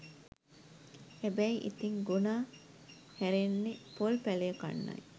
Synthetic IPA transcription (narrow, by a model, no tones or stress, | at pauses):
ebæiʔḭt̪iŋɡunaː | hæɾenːepolpæleːkɐ̰nːɐ̰j